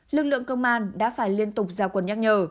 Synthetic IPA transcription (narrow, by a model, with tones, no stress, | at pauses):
lɨ˨˩k̚lɨ̰˧˨əŋkə˧wŋ͡mʔaː˧nɗa̰ː˧˥faː˧˩jli˧ənt̪ʊ˨˩k͡p̚zaː˧˩kwə˨˩nɲa˦˥k̚ɲəː˨˩